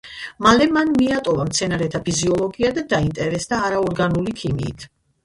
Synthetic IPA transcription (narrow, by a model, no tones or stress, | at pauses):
malɛmanmiat̪ʼɔvamt̪sʰɛnaɾɛt̪ʰapʰiziɔlˠɔɡiad̪ad̪aint̪ʼɛɾɛsd̪aːɾaɔɾɡanulikʰimḭːt̪ʰ